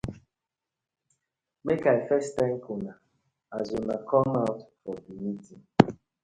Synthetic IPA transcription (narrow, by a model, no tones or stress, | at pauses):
mekaɪfɛstɛ̃ŋkʰona | azonakʰɔmaʊtfɔbimitiŋ